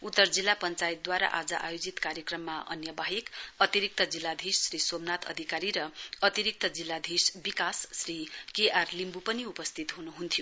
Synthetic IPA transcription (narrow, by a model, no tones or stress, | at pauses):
ut̪ːʌrd͡zilːapʌnt͡sajit̪̚d̪waɾa̰ʔa̰d͡zʌ̰ʔa̰jod͡zit̪kaɾjʌkrʌmːaʔʌ̰njʌbaɦekʌt̪iɾik̚t̪ʌd͡zilːad̪ʱisːrisomnat̪ʰʌ̰d̪ʱikaɾiɾʌʌt̪iɾik̚t̪ʌd͡zilːad̪ʱisbikasːrikeʔarlimbupʌniupʌst̪ʰit̪ɦunuɦunt̪ʰjo